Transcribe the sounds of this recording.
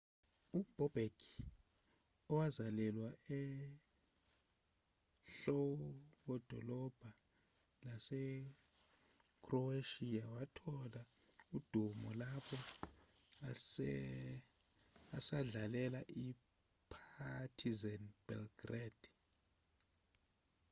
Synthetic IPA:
ub̥ʱɔb̥ʱekʰi | ɔwazalɛlwaɛ | ɬɔk̬ɔd̥ʱɔ̰lɔb̥ʱa | lasɛ | kʰʼrɔeʃiawatʰɔla | ud̥ʱumɔlapʰɔ | asaɮalɛlaʔi | pʰatʰizɛnb̥ɛ̰lɡrad̥

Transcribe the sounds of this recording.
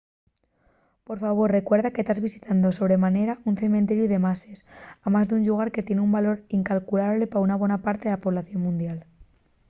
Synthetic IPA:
po̞ɾfaβ̞o̞rre̞kwe̞ɾðake̞st̪azβisi̥t̪and̪o̞so̞β̞ɾe̞mane̞ɾaunθe̞mẽnt̪e̞ɾjuðe̞mase̞samazðeuɲʎuɣ̞aɾke̞t̪je̞neumbalo̞ɾiŋkalkulaβle̞paunaβ̞we̞napaɾt̪e̞ðelapo̞β̞laθjo̞nmũnd̪jal

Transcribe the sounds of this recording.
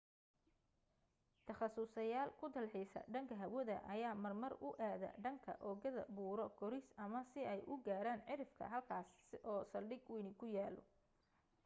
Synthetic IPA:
t̪ʰɐχɑsʊsɐjaːlkʰʊd̪ɐlħɪsɐ̰ɖɐŋkʰɐɦɐwɐðɐʔɐjaːmɐrmɐrʊ̰ʔaːðɐ̰ɖɐŋkʰɐ̰ʔɔːɣɐðɐ̰buːɾɔɡʰɔɾisɐmɐsɪɛjʔʊɡaːɾaːnʕɪɾɪfkʰɐ̰ɦɐlkʰaːsʔɔːsɐlɖɪɡwɛːnɪkʰʊjaːlɔ̰

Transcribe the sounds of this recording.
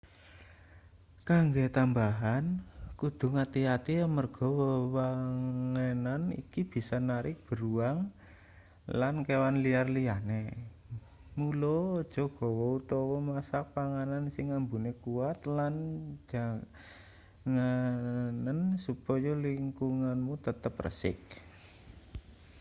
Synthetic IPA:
kaŋɡet̪ambaɦankud̪̥ṳŋat̪iat̪iamərɡ̥ɔ̤wəwaŋenanḭkib̥i̤sɔnaɾɪk̚b̥ə̤ɾuaŋ | lankewanliarliane | mulɔd̥ʒ̥ɔ̤ɡ̥ɔ̤wɔut̪ɔwɔmasak̚paŋanansɪŋːambunekuat̪land͡ʒ̥a̤ | ŋanənsupɔjɔliŋkuŋanmut̪ət̪əprə̰sɪ̰k̚

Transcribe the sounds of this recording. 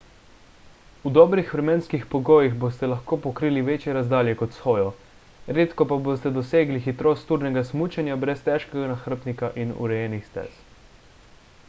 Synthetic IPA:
ud̪ɔːbɾixʋɾɛmeːnskixpɔɡoːjiɣbost̪ɛlaxkoːpɔkɾiːliʋeːt͡ʃjɛɾazd̪aːljɛkɔt̪sxoːjɔ | ɾeːt̪kɔpaboːst̪ɛd̪ɔseːɡlixit̪ɾoːst̪uːɾnɛɡasmuːt͡ʃɛnjabɾɛst̪ɛʃkɛɡanaxəɾ̩pnikaʔinṵɾɛjɛːnixst̪ɛ̰s

